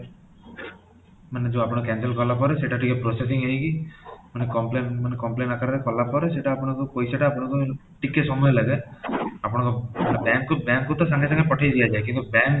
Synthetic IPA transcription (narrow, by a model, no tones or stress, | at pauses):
məned͡ʒoːapɽ̃ekɛ̃ːnsəlkɔlap̬ɔɾɛseʈaʈikepɾoses̬ɪ̃ŋɡɦeiɡimənekɔmpleːmənekɔmpleːnakəɾt̪ekɔlapɔɾɛseʈaːpɽ̃ekokoːiseʈaːpɽeko | ʈɪkesɔmeləɡeapɽ̃akopnebɛ̃ːŋkːobɛ̃ːŋkːot̪asãŋɡes̬ãŋɡepɔʈʰaid̪ijad͡ʒaːekjũŋkebɛ̃ːŋ